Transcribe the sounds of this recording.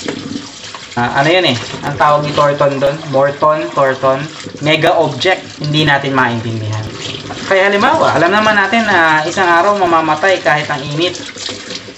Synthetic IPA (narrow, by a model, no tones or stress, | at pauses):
ʔɐ̰nojonɛʔɐ̰ŋt̪aːwɐɡ̚nɪt̪oɹt̪ond̪onmoɹt̪ont̪oɹt̪onmɛɡɐʔob̚d͡ʒɛk̚t̪̚hɪnd̪inaːt̪ɪnmaʔɪnt̪ɪnd̪ɪɦankɐjhɐlɪmbaːwɐ̰ʔɐ̰lɐmnɐmanːaːt̪ɪnːɐʔɪsaŋʔaːɾɐwŋmɐmaːmɐt̪ajkaːhɪt̪ɐŋʔiːnɪt̪̚